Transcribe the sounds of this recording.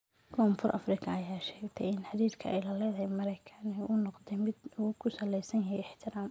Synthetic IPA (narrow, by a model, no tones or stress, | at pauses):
kʰɔːmfʊrʔɐ̰frɪkʰɐːjaːʃɛːɡt̪ʰɛjɪnħɑd̪iːθkʰɐʔɛjlɐlɛðɐɦɛjmɐɾɛjkʰɐnɛʔʊnɔqd̪ɛmɪd̪uːkʰʊsɐlɛjsɐnjɐɦɛɪħt̪ʰɪɾaːm